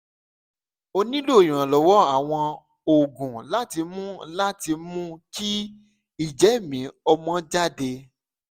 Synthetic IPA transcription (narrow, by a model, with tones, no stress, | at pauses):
o˧nĩ˦lo˦˨j̃ã˨lɔ˨wɔ˨˦a˦˨w̃ɔ̃˧ | o˨ɡũ˨la˦ti˧mũ˦la˦ti˧mũ˦ki˦ | i˦˨d͡ʒɛ˨˦˨mĩ˨˦ɔ˧mɔ̃˦d͡ʒa˦˨de˧